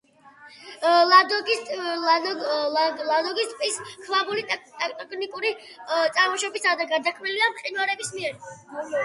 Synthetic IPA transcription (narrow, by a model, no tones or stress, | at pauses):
lad̪ɔɡi | lad̪ɔɡist̪ʼpʼiskʰvabulit̪ʼt̪t̪ʼkʰnikʼuɾi | t̪sʼaɾmɔʃɔbisad̪aɡad̪akʰmiliamχʼinwaɾɛbismiɛɾ